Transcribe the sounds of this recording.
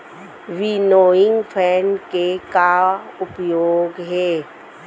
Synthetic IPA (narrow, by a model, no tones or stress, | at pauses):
ʋinoːɪ̃ŋɡpʰɛːnkekaʊpjoːɡɦɛː